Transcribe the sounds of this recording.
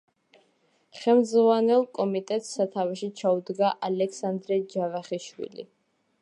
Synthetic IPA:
χɛmd̪zvanɛlˠkʼɔmit̪ʼɛt̪ʼsat̪ʰavaʃit͡ʃʰaud̪ɡaʔalɛksand̪ɾɛd͡ʒavaχiʃwḭlḭ

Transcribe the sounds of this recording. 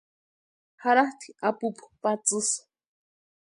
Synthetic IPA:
haɾaht̪iapuppat͡sɨs

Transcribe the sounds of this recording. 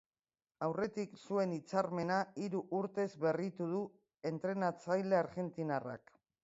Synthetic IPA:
awre̞t̪iksue̞nit͡saɾme̞naiɾuʔuɾt̪e̞zβe̞rit̪uðu | e̞nt̪ɾe̞nat͡sajle̞aɾɣe̞nt̪inara̰k

